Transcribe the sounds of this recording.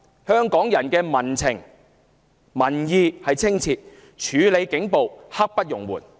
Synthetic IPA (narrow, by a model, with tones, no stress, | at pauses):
hœː˥ŋkɔː˨˥ŋjɐ˨˩nkɛː˧mɐ˨˩nt͡sʰɪ˨˩ŋ | mɐ˨˩njiː˨˧hɐ˨jt͡sʰɪ˥ŋt͡sʰiː˧t̚ | t͡ʃʰyː˨˧le˨˧jkɪ˨˥ŋpo˨whɐ˥k̚pɐ˥t̚jʊ˨˩ŋwṵː˨˩n